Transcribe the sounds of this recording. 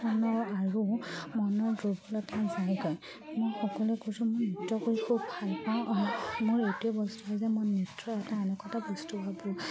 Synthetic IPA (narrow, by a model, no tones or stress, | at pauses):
ɔnɔɹaɹumɔnɔɹdobɔlɔtʰazajɡɔj | mɔjxɔkɔlɛkojsʊ̃mʊjnitɹɔkoɹikʰubbʱalpãmʊɹetuɔbɔstuɦɔjzɛmɔjnitɹɔɛtaɛnɛkɔtabɔstupabɔ̃